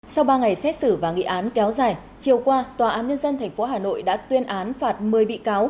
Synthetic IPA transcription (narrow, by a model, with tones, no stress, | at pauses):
sa˧wɓaː˧ŋa˨˩jsɛ˦˥t̚sɨ˧˩vaː˨˩ŋḭ˧˨ʔaː˨˦nkɛ˨˦wzaː˨˩j | t͡ɕi˨˩əwkwaː˧t̪waː˨˩ʔaː˨˦nɲə˧nzə˧nt̪ʰɛ˨˩ŋ̟fo˨˦ɦaː˨˩no̰˧˨jɗa̰ː˧˥t̪wi˧ənʔaː˨˦nfaː˨˩t̚mɨ˨˩əjɓḭ˧˨kaː˨˦w